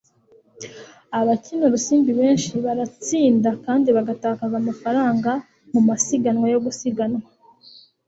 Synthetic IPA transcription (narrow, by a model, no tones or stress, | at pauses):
aβacinoɾusiːmbiβe̞ːnʃiβaɾat͡siːndakaːndiβaɡataːkazamafaɾaːŋɡa | mumasiɡanwajo̞ɡusiɡanŋwa